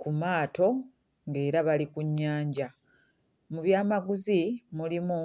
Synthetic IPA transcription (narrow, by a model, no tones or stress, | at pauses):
kumaːtʰo̞ | ŋɡe̞ːɾaβalikuɲːaːɲɟa | muβjaːmaɡuzimulimu